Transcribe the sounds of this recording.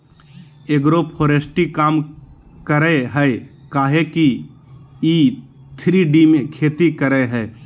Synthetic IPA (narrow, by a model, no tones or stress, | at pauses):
eɡɾopʰoːɾesʈikaːm | kəɾeɦɛekaːɦeki | i | t̪ʰɾiɖimẽkʰeːt̪ikəɾeɦɛː